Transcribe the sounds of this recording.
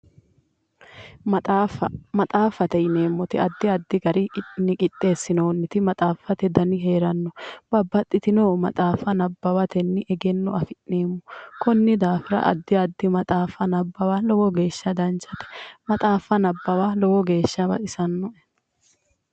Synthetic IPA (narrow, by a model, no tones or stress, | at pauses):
mɐt̪ʼaːfːɐt̪ɛjɪne̞ːmːɔt̪ɪɐd̪ːɪɐd̪ːɪɡɐɾɪnɪkʼɪt̪ʼːe̞ːsːɪnoːnːɪt̪ɪmɐt̪ʼaːfːɐt̪ɛd̪ɐnɪɦe̞ːɾɐnːɔb̥ɐbːɐt̪ʼːɪt̪ɪnoːmɐ̰t̪ʼaːfɐnɐbːɐwɐt̪ɛnːɪʔɛɡɛnːɔɐfɪʔneːmːɔkɔnːɪd̪aːfɪɾɐ̰ʔɐ̰d̪ːɪɐd̪ːɪmɐt̪ʼaːfɐnɐbːɐwaːlɔwɔɡe̞ːʃːɐd̪ɐnt͡ʃːɐt̪ɛ̥mɐt̪ʼaːfːɐnɐbːɐwalɔwɔɡe̞ːʃːɐbɐ̰ʔɪsɐnːɔ